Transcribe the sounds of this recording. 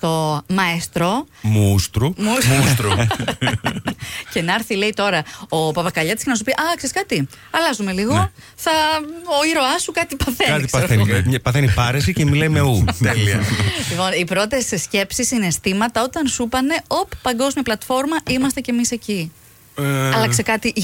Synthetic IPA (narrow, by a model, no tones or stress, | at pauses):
t̪o̞mɐest̪ɾo | must̪ɾumumut̪ɾu | ce̞nɐɾθile̞it̪o̞ɾɐopɐpɐkɐʎɐt̪iscenɐs̬upiʔɐkseskɐt̪i | ɐlɐzume̞liɣo | θɐoiɾo̞ɐsukɐt̪ipɐθeɐt̪ɐenpɐθenipɐɾesicemilɐjme̞ut̪elilipo̞nipɾo̞t̪e̞ssce̞psisinest̪imɐt̪ɐo̞t̪ɐnsupɐne̞o̞pːɐŋɡo̞zmiɐplɐt̪fo̞ɾmɐimɐst̪e̞ce̞mise̞ci | ɐlɐssekɐt̪i